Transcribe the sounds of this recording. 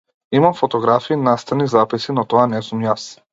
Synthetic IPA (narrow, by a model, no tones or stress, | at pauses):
imamfɔt̪ɔɡɾafiːnast̪anizapisinɔt̪ɔanɛsumjas